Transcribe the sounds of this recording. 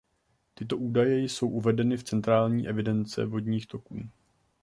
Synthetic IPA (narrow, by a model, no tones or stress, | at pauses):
t̪ɪt̪o̞ʔuːdajɛjso̞wʔuvɛdɛnɪft͡sɛnt̪ɾaːlɲiːʔɛvɪdɛnt͡sɛ̰vo̞dɲiːxt̪o̞kuː